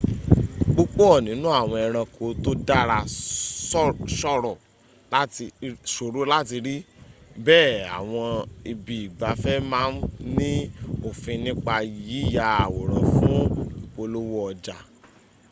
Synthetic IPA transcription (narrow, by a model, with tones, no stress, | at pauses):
ɡ͡bo˦k͡po˦ɔ˦˨nĩ˨˦nũ˦a˦˨w̃ɔ̃˧ɛ˧ɾ̃ã˧kʰo˧to˦da˦ɾa˧˦ | ʃɔ˦ɾɔ˨ | la˦ti˧ʃo˨ɾo˨˦la˦ti˧ɾi˦bɛː˦˨a̰˨w̃ɔ̃˧i˧bi˨i˨ɡ͡ba˧fɛ˦mãː˦n̩˦nĩ˦o˨fĩ˧nĩ˦k͡pa˧ji˨˦˨ja˧a˨wo˨ɾ̃ã̰˨fũ˨˦˨o˧lo˦wo˦ɔ˧d͡ʒa˨